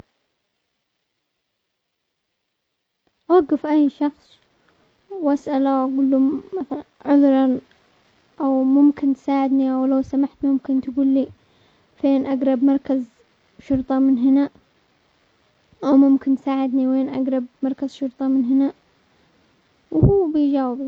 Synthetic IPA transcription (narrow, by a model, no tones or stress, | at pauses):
waɡːɪfʔajːʃɑxsˤ | wʔasʔalawʔaɡʊlːumːaθaʕʊðɾˤɑn | ʔawmʊmkɪnt̪saːʕɪd̪niʔawlawsamaħt̪mʊmkɪnt̪aɡuːlːi | feːnʔaɡɾˤɑbmɑɾˤkaz | ʃʊɾt̪ˤɑmɪnɦɪna | ʔawmʊmkɪnt̪saːʕɪd̪niweːnʔaɡɾˤɑb̚mɑɾˤkazʃʊɾt̪ˤɑmɪnɦɪna | whuːbɪjd͡ʒaːwɪb